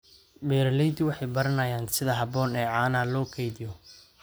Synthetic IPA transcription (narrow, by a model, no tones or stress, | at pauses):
bɛːɾɐlɛjd̪ɪwɑħɑjbɐɾɐnɐjaːnsɪðɐɦɐbɔːnɛːʕɑːnɐlɔːkʰɛjðɪjɔ